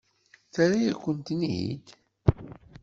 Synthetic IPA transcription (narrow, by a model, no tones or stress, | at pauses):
θaɾajækʷːənt̪niḭd̪